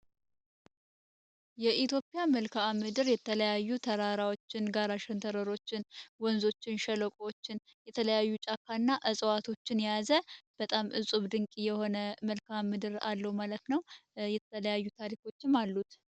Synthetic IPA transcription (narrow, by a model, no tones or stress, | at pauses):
jɛʔit̪ʰjo̞pʼijaməlkʰaamɨd̪ɨɾjɛt̪ʰələjajːut̪ʰəɾaɾawot͡ʃːɪnɡaɾaʃɛnt̪ʰəɾəɾo̞t͡ʃːɪnwɔnzo̞t͡ʃːɪnʃələkʼowot͡ʃːɪn | jɛt̪ʰələjajːut͡ʃʼakʰːanːaʔəsʼwat̪ʰo̞t͡ʃːɪnjjazəb̥ət̪ʼamʔɨsʼuβd̪ɨŋkʼijɛho̞nəməlkʰamːɨd̪ɨɾalːəwmalət̪nəwjɛt̪əələjajːut̪ʰaɾikʰo̞t͡ʃːɪmalːut̪